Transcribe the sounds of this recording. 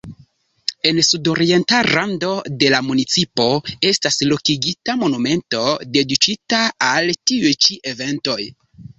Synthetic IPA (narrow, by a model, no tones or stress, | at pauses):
e̞nsudo̞ɾie̞ntaɾando̞de̞lamunit͡sipo̞e̞staslo̞kiɡitamo̞nume̞nto̞de̞dit͡ʃitaːltiujt͡ʃiʔe̞ve̞nto̞j